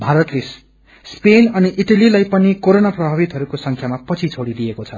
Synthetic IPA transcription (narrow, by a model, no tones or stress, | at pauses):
bʱaɾʌt̪les | spenʌniʔiʈalilajpʌnikoɾonaprʌbʱabit̪ɦʌɾukosʌŋkʰjamapʌt͡sʰit͡sʰoɽilijekot͡sʰʌ